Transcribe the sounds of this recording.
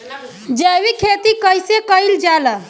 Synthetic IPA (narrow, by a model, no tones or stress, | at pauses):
d͡ʒəwikʰet̪ikəjsekəild͡ʒalə